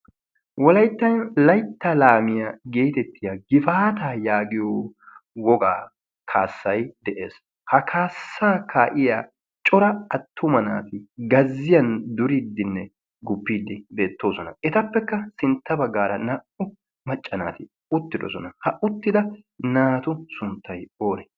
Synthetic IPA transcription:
wɔlɐjt̪ːɐjnlɐjt̪ːɐlaːmɪjaɡe̞ːt̪ɛt̪ːɪjaɡɪfaːt̪aːjaːɡɪjowɔɡaː | kʰaːsːɐjd̪ɛʔe̞̰ːs | hɐkʰaːsːaːkʰaːʔɪjaː | t͡ʃʼɔɾɐɐt̪ʰːʊmɐna̰ːt̪ɪɡɐzːɪjɐnd̪ʊɾiːd̪ːɪnːɛ | ɡʊbːiːd̪ːɪbe̞ːt̪ːo̞ːsɔnɐ̰ʔɛt̪ɐpːɛkːɐsɪnt̪ːɐbɐɡːaːɾɐnaʔʊ | mɐt͡ʃʼːɐna̰ːt̪ɪ | ʊt̪ːɪd̪ɔ̰sɔnɐhɐʔʊt̪ːɪd̪ɐnaːt̪ʊsʊnt̪ːɐjoːɾɛ

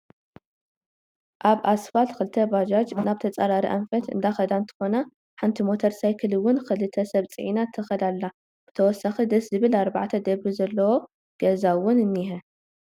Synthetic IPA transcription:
ʔaβʔasfalxɨlt̪ʰɐbad͡ʒad͡ʒnaβt̪ʰɐt͡sʼɐɾaɾiʔa̰mfɐt̪ɨ̰nd̪axɐd̪ant̪ʰɨ̥xo̞na | ħant̪ʰimo̞t̪ʰɐɾsajkʰɨlɨwːʊnxɨlɨt̪ʰɐsɐβt͡sʼɨ̰ʕḭnat̪ʰːɨxɐd̪alːa | b̥ɨt̪ʰɐwɔsːaxid̪ɐszɨβɨlaɾba̰ʕt̪ʰɐd̪ɐβizɐlːɐwo̞ | ɡ̥ɐzawʊnɨnːiɦɐ

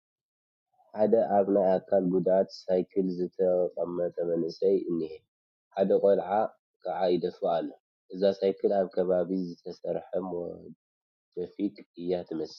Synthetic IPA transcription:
ħad̪ɐʔaβnajakʰːalɡud̪at̪sajkʰɨlzɨt̪ʰɐqʼɐmːɐt̪ʼɐmɐnɨsʼɐjɨnːihe | ħad̪ɐkʼolʕa | kʰaʕajid̪ɐfaalːo | ʔɨzasajkʰɨlaβkʰɐβaβizɨt̪ʰɐsɐɾħɐm | d̪̥ofikʼɨjːat̪ʰɨmɐs

